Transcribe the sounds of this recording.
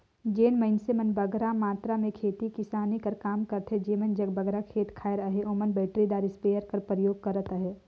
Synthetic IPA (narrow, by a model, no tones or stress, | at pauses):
d͡ʒeːnmɐɪnsemɐnbəɡɾamaːt̪ɾamẽkʰeːt̪ikɪsaːnikɐɾkaːmkɐɾt̪ɦɛd͡ʒeːmɐnd͡ʒɐɡbɐɡɾakʰeːt̪kʰaːɪɾəɦeʔoːmənbɛːʈɾid̪aːɾispeːjəɾkɐɾpɾəjoːɡ̚kɐɾət̪əɦɛː